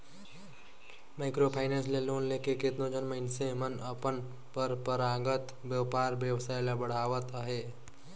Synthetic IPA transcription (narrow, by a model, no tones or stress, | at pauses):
maɪkɾopʰaːɪnẽnsleloːnleːkekɪt̪nõd͡ʒənməɪnsemənəpən | pəɾpəɾaɡət̪ | bjəwpaːɾbjəwsaːjlabəɽ̤aːʋət̪əɦe